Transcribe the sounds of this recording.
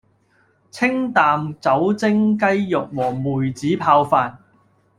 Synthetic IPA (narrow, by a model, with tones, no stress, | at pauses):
t͡sʰɪ˥ŋt̪aː˨mt͡sɐ˨˥wt͡sɪ˥ŋkɐ˥jːʊ˨k̚wɔː˨˩muː˨˩jt͡siː˨˥pʰaː˧wfaː˨n̚